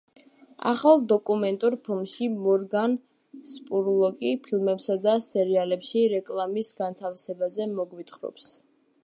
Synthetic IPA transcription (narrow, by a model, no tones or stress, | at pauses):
a̰χalˠd̪ɔkʼumɛnt̪ʼuɾpʰilˠmʃimɔɾɡan | spʼuɾlˠɔkʼipʰilmɛpsad̪asɛɾialɛpʃiɾɛkʼlˠamisɡant̪ʰafsɛbazɛmɔɡwit̪χɾɔ̰ps